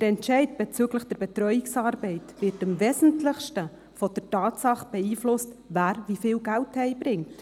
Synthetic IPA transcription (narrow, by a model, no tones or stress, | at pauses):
d̥əɾɛntʃɛɪtb̥ɛt͡syːɡləχd̥ɛɾb̥ɛtɾœʏiksɑːɾbɛɪtvɪɾtəmvɛːsn̩tlɪχʃtə | fɔd̥ərtɑːtsɑχb̥ɛiːflʊstvæːɾvifɪːlɡælthɛɪbɾɪŋt